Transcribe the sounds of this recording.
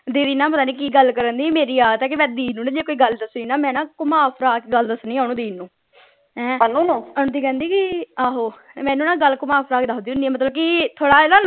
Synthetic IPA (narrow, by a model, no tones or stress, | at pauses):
d̪eːɾiːnãːpət̪aːniːkiːɡəlkəɾənd̪iːmeːɾiːaːt̪ɛːk̬eʋɛːd̪iːnũːnãːd͡ʒeːkoːiːɡəld̪əsniːnaːmɛ̃ːnãːkʊmaːpʰɾaːkːɡəld̪əsnĩːaːñũːd̪iːnːũː | ɛ̃ːənuːnõːənd̪iːkɛ̃nd̪iːkiaːɦoːmɛ̃ːnũːnãːɡəlːkʊmaːpʰɾaːkd̪aːɦʊ̃nd̪iːʊ̃nd̪iːɛːmət̪ləb̚kiːt̪ʰoːɽaːelaː